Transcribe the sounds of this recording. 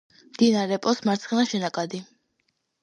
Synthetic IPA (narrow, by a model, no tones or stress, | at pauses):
md̪̥inaɾɛpʼɔsmaɾt̪sʰχɛnaʃɛnakʼad̪i